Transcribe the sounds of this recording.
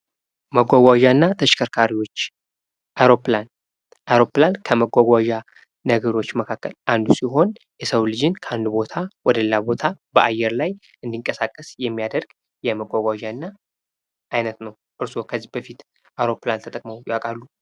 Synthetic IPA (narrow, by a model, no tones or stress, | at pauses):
məɡʷaɡʷaʒanːat̪ʰəʃkʰəɾkʰaɾiwo̞t͡ʃː | aɾoplan | ʔajɾo̞plankʰəməɡʷaɡʷaʒa | nəɡəɾo̞t͡ʃːməkʰakːəlʔand̪usiɦo̞n | jɛsəwlɨd͡ʒɪnkʰəʔand̪ubo̞t̪ʰawɔd̪əllːabo̞t̪ʰabəʔajːɛɾlaj | ʔɨnd̪iŋkʼəsakʼːəsjɛmːijad̪əɾɡ | jɛməɡʷaɡʷaʒanːa | ʔajnət̪nəw | ʔɨɾso̞kʰəzːihbəfit̪ | awɾo̞plant̪ʰət̪ʼəkʼməwjwakʼalːu